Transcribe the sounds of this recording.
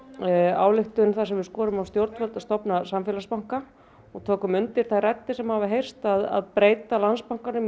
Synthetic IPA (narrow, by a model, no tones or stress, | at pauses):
a̰ːwlɪxt̪ʏnθasɛmvɪðskɔːɾʏmawst̪jowɾt̪fœlt̪aðst̪ɔpnasamfjɛlaspawŋ̥ka | ɔɣt̪ʰoːkʏmʏnt̪ɪɾ̥θajrɛt̪ːɪsɛmhavaɦejr̥st̪aða̰ðpɾeːjt̪alanspawŋ̥kanʏm